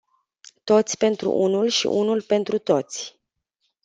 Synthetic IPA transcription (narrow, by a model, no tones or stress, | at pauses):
t̪o̞t̪sʲpe̞nt̪ɾṵʔunulʃḭʔunulpe̞nt̪ɾut̪o̞t̪sʲ